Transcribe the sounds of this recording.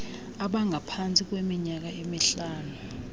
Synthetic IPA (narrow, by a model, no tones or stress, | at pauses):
aɓaŋʱapʰant͡sʼik̬wemiɲak̬aemiɬaːnu